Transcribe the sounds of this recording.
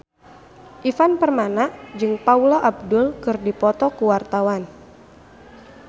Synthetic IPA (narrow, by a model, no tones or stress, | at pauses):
ʔifanpərmanaʔd͡ʒɨŋpauloʔab̚dʊlkɨrdipɔt̪ɔkuwart̪awan